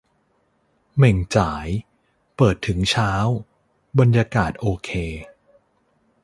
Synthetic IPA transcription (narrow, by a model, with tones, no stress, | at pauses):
me˨˩ŋt͡ɕaː˩˦j | pɤː˨˩t̪ʰːɯ˩˦ŋt͡ɕʰaː˦˥w | ba˧njaː˧kaː˨˩t̪̚ʔoː˧kʰeː˧